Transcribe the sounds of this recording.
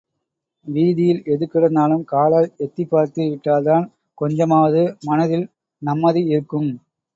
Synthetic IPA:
ʋiːðɪjɪlɛðɯkːɪɽɐnd̪aːlɯmkaːɭaːlɛt̪ːipːaːɾt̪ɯʋɪʈːaːlt̪aːn | kɔɲd͡ʒɐmaːʋɐðɯmɐnɐðɪl | nɐmːɐðɯɪɾɯkːɯm

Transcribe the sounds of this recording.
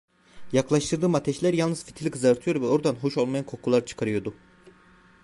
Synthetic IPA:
jaklˠaʃt̪ʰɯɾd̪ɯːmat̪ʰɛʃlʲæɾjalˠnɯzfi̥t̪ʰilʲikʰɯzaɾt̪ʰɯjo̞ɾvɛo̞ɾd̪anɦuʃo̞lˠmajankʰo̞kʰulˠaɾt͡ʃʰɯ̥kʰaɾɯjo̞ɾd̪u

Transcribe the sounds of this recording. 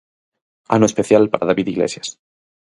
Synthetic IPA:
a̰noespeθjalpaɾaðaβiðiɣlḛsjas

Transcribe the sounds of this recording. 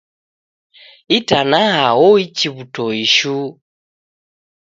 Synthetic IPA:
itanaɦaɔit͡ʃiβutɔiʃu

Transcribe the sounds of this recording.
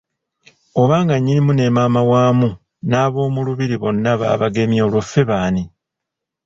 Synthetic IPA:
o̞βaːŋɡaɲːinimune̞maːmawaːmu | naːβo̞ːmuluβiɾiβo̞nːaβa̰ːβaɡe̞mjo̞ːlwofe̞βaːni

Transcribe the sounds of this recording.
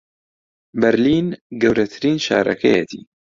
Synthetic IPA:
bɛɾliːnɡɛwɾɛt̪ʰɨɾiːnʃa̰ːɾʔɐ̰kʰɛjɛ̰t̪ʰḭː

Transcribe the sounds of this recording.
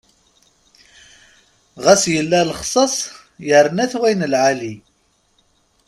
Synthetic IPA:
ʁæsjəlːælχsˤɑsˤ | jəɾˤnæθwæjnəlʕali

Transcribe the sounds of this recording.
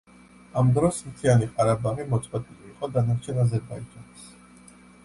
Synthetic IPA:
amd̪ɾɔsmt̪ʰianiqʼaɾabaʁimɔt̪sʼwɛt̪ʼiliːqʼɔd̪anaɾt͡ʃʰɛnazɛɾbaid͡ʒanis

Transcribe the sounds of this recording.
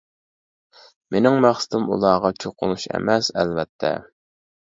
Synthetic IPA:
menɪŋmæχsɪ̥t̪ɪmṵlˠɑːʁɑt͡ʃʰoqʊnuʃḛmɛsɛ̰lvɛt̪ʰːɛ̰

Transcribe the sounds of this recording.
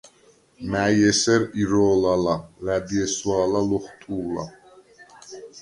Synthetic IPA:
mæjɛsɛɾiɾɔːlalalæd̪iɛsuaːlaluχt̪ʼuːla̰

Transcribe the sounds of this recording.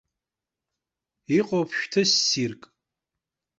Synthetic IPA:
iqʼopʰʃᶣtʰɨsːirkʼ

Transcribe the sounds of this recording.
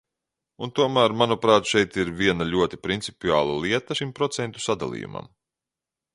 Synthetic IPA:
unt̪uɔmæːɾmanupɾaːt̪ʃɛjt̪iɾvʲiɛnaʎʲuɔt̪i̥pɾint̪si̥pʲiaːlˠalˠiɛt̪aʃimpɾɔt̪sɛnt̪u̥sad̪a̰lˠḭjṵmɐ̰m

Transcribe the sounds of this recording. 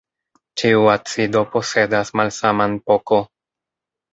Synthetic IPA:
t͡ʃiuat͡sido̞po̞se̞dasmalsamanpoko̞

